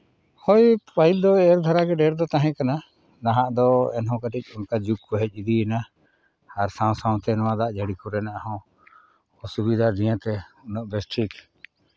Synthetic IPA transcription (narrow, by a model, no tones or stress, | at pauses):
hɔjpaild̪ɔɛɾd̪ʱaɾaɡɛɖɛɾd̪ɔt̪aɦɛ̃kana | naɦãʔd̪ɔɛnɦɔ̃kaʈic̚ˀɔnkad͡ʒuk̚kɔɦɛc̚ˀid̪iɛna | aɾsãw̃saw̃t̪ɛnɔwãd̪aʔd͡ʒaɽikuɾɛnaʔahɔ̃ | ɔsubid̪ʱad͡ʒ̪ijãt̪ɛɔnɔʔbɛsʈʰik